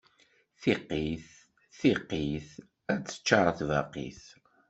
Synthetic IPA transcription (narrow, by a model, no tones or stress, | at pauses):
θiqːiθ | θiqːiθ | æt͡sːə̥t͡ʃːɑɾˤθvɑqḭθ